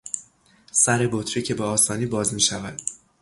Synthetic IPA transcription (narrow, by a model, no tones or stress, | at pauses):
sæɾe̞bot̪ʰɾiːcʰe̞beɒːsɒːniːbɒːzmiːʃævæd̪̥